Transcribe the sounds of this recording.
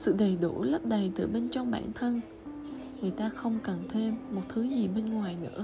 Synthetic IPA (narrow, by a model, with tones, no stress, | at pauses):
sɨ̰˧˨ɗə˨˩jɗu˧˩lə˦˥p̚ɗə˨˩jt̪ɨ̰˧˩ɓe˧nt͡ɕɔ˧wŋ͡mɓa̰ː˧˩nt̪ʰə˧n | ŋɨ˨˩əjt̪aː˧xə˧wŋ͡mkə˨˩nt̪ʰe˧mːo˨˩t̚t̪ʰɨ˨˦zi˨˩ɓe˧nŋwaː˨˩jnɨ̰˧˥ə